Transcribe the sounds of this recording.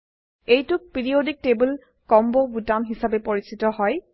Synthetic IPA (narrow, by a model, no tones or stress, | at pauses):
ejtʊk̚piɹiodik̚tebul | kɔmbɔbutamɦisabɛpɔɹisitɔɦɔj